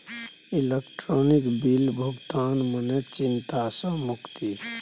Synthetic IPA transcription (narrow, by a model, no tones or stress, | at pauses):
ilekʈɾɔːnikbilbʱʊɡt̪aːnmənet͡ʃɪnt̪asə̃mʊkt̪i